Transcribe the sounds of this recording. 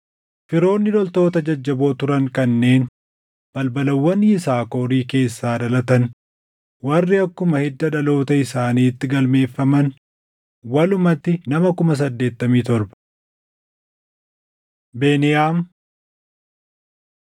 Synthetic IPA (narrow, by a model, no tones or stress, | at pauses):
fɪɾo̞ːnːɪd̪ɔlt̪o̞ːt̪ɐd͡ʒɐd͡ʒːɐbo̞ːt̪ʊɾɐŋkɐnːe̞ːn | b̥ɐlbɐlɐwːɐnɪsaːkoːɾiːke̞ːsːaːd̪ɐlɐt̪ɐn | wɐrːɪɐkːʊmɐhɪd̪ːɐᶑɐlo̞ːt̪ɐɪsaːniːt̪ːɪɡɐlme̞ːfːɐmɐn | wɐlʊmɐt̪ːɪnɐmɐkʊmɐs̬ɐd̪ːe̞ːt̪ːɐmiːt̪ɔɾbɐ̥ | be̞ːnɪjaːm